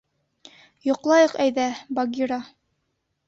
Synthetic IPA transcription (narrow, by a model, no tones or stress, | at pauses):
jŏqlˠɑjɤqæjðæbɑɡʲiɾɑ